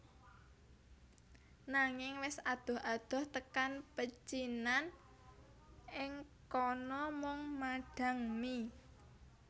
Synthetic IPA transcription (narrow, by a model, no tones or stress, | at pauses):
naŋɪŋwɪsad̪̥ɔ̤had̪̥ɔ̤ht̪əkanpət͡ʃinan | ʔɪŋkɔnɔmʊŋmaɖ̥ä̤ŋmi